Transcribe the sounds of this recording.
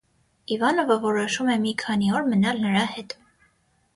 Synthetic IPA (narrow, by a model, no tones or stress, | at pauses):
ivɑnɔvəvɔɾɔʃumɛmikʰɑniɔɾmənɑlnəɾɑhɛt̪